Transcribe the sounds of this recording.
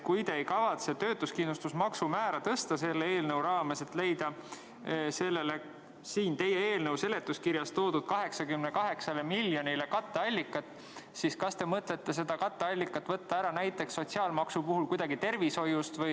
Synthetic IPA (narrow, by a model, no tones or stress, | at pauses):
kujt̪e̞ːjkɑvɑt̪se̞t̪ø̞ːt̪ːˑuskinust̪usmɑksumæːɾɑt̪ɤst̪ɑse̞lːeeːlnɤwɾɑːme̞se̞t̪ːˑle̞jd̪̥ɑ | se̞lːe̞le̞ | siːnt̪e̞jːee̞ːlnɤwse̞le̞t̪ːˑuskiɾjɑst̪oːd̪ud̪̥̚kɑɦe̞ksɑkymnekɑɦe̞ksɑlemilːjo̞nile̞kɑt̪ːeɑlʲːikːˑɑt̪ːˑ | siskɑst̪e̞mɤt̪le̞t̪ːe̞s̬e̞d̪̥ɑkɑt̪ːeɑlʲːikːˑɑt̪ːˑvɤt̪ːɑæɾɑnæjt̪ːˑe̞ksːo̞t̪ʲsiɑːlmɑksupuɦulkujd̪̥ɑɡit̪e̞rviso̞just̪vɤj